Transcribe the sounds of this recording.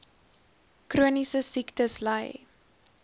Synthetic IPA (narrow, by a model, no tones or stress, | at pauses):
kruənisəsiktəsləj